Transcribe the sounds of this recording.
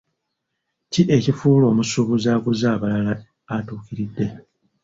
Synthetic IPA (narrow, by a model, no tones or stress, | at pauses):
ciʔe̞cifuːlo̞ːmusuβuzaːkuzaːβalalaː | tuːkiɾidːe̞